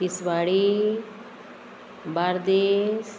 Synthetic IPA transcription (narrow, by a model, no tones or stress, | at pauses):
isʋaːɽi | baɾd̪es